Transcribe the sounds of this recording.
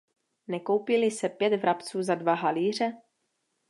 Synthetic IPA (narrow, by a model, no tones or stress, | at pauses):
nɛko̞wpɪlɪsɛpjɛt̪vɾʔapt͡suːzadvaɦaliːr̝ɛ